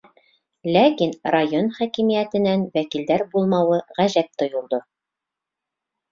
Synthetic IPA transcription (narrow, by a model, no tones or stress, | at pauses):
lækinrajonχækimijæt̪ɘ̆nænwækild̪æɾbulˠmɑwɤʁæʑæp̚t̪ŏjŏlˠd̪o